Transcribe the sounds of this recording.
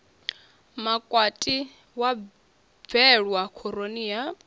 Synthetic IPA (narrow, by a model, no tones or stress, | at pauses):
makʼwatʼi | wa | b̪vɛɺwakʰɔɾonija